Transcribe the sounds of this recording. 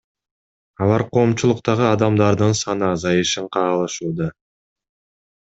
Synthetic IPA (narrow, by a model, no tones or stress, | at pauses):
ɑlˠɑɾqʰo̞ːmt͡ʃulˠuqt̪ɑʁɯɑd̪ɑmd̪ɑɾd̪ɯnsɑnɯɑzɑjɯʃɯɴqʰɑːlˠɯʃuːd̪ɑ